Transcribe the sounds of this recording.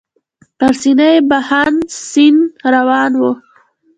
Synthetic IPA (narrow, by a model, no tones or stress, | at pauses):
paɾsinajbahansinɾawɑːnwu